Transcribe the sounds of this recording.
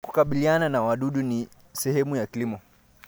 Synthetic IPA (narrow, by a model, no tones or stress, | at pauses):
ku̥kaɓiliananawaɗuɗuni | sɛhɛmujakilimɔ